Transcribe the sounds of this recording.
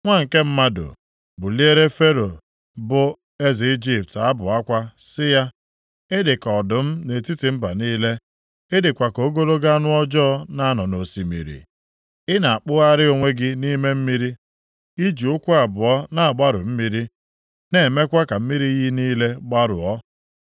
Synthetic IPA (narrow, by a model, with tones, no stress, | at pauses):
ŋʷa˦ŋ̩˨ke˦m̩˦ma˦do̰˨ | bʊ˨li˦e˦ɾe˦fe˦ɾo˨ | bʊ˦ | e˦zi˨i˦d͡ʒi˦p̚ta˦bʊ˨a˦kʷa˦sɪ˦ja˦ | ɪ˦dɪ˨kɔ˨dʊ˨m̩˦ne˨ti˦ti˨m̩˦ba˨niː˦le˦ | ɪ˦dɪ˨kʷa˨ko˨˦ɡo˦ɾo˦ɡa˦a˦nʊ˦ɔ˦d͡ʒɔ˦ɔ˦na˦a˦nɔ˨no˨si˨mḭ˨ɾḭ˨ | ɪ˦na˨a˨k͡pʊ˦ɣa˦ɾɪ˦o˨ŋʷe˦ɡɪ˦ni˦me˦m̩˦mi˦ɾi˦ | i˦d͡ʒu˨ʊ˦kʷʊ˦a˨bʊ˨ɔ˦na˨a˨ɡ͡ba˦ɾʊ˨m̩˦mi˦ɾi˦ | ne˨me˦kʷa˦ka˨m̩˦mi˦ɾi˦ɣi˦niː˦le˦ɡ͡ba˦ɾʊ̰˨ɔ˦